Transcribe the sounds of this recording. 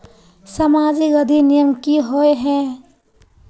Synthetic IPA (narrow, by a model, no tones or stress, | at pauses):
sɐmaːd͡ʒiɡəd̪ʱinijəmkiɦoeɦɛ̃